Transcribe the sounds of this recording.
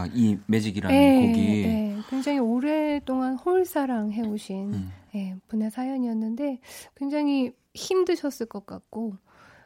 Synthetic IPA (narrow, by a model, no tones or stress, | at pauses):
ime̞d͡ʑiɡiɾaje̞oɡine̞kwe̞ŋd͡ʑaŋioɾeɭt͈oŋanhoɭs͈aɾaŋɦe̞uɕʰinje̞punesʰajʌɲiʌnːɯnde̞kwe̞ŋd͡ʑaŋi | çimdɯɕʰʌs͈ɯɭk͈ʌk͈a̰k̚k͈o